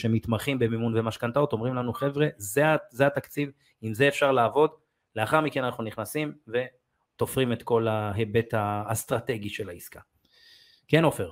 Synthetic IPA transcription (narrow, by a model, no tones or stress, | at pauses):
ʃe̞mit̪maχimbe̞mimunvemaʃkant̪aot̪o̞mʁimlanuχe̞vʁe̞zeazehat̪akt͡siv | imzeːfʃaʁlaːvo̞d̪ | leaχaʁmike̞nanaχnuniχnasimve̞ | t̪o̞fʁime̞t̪ko̞laɦe̞be̞t̪aːst̪ʁat̪e̞ɡiʃe̞laiska | keno̞feʁ